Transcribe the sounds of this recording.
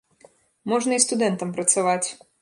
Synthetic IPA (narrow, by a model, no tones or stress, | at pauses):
mɔʐnɐist̪ʊd̪ɛnt̪ɐmpɾɐt̪sɐʋatʲ